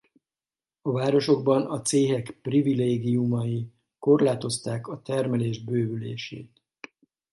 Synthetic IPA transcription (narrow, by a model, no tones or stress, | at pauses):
ɒvaːɾo̞ʃo̞ɡbɒnɒt̪seːɦɛkprivileːɡijumɒji | ko̞rlaːt̪o̞st̪aːkɒt̪ɛrmɛleːʒbøːbylḛːʃḛːt̪